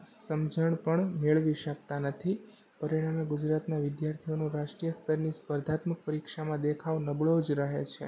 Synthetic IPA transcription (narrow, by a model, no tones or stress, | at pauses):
səmd͡ʒəɳpəɳmeɭʋiʃək̚t̪anət̪ʰi | pəɾiɽ̃ameɡud͡ʒɾat̪naʋɪd̪jaɾt̪ʰijonũɾaʃʈɾijəst̪ʰəɾnispəɾd̪ʱat̪mək̚pəɾikʃamãd̪ekʰaʋnəbɭod͡ʒɾəɦet͡ʃʰḛ